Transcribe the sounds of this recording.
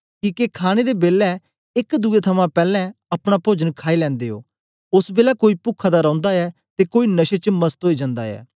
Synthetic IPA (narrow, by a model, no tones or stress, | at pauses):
kiːkekʰaːñed̪eːbeːlːɛ | ɪkd̪uːet̪ʰəmãpɛːlɛ̃ɐpɽ̃apoːd͡ʒənkʰaːilɛ̃ːnd̪eːo̰ː | ʊsbeːlakoːiːpʊkʰːad̪aɾãːnd̪aɛːt̪eːkoːiːnəʃet͡ʃməst̪ɦoːid͡ʒãnd̪a̰ːɛ̰ː